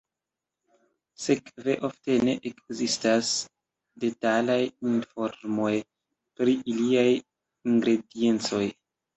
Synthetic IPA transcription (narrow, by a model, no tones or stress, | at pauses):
sekve̞ʔofte̞ne̞̰ʔekzistas | de̞talajinfo̞ɾmo̞j | pɾiʔiliaj | iŋɡɾe̞die̞nt͡so̞j